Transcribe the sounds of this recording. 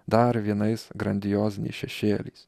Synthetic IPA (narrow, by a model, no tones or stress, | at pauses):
d̪ɐɾʋʲiɛnɐɪsɡɾɐnʲd̪ʲɪjoːzʲnʲɛ̰ɪʃʲɛʃʲeːlʲɛ̰ɪs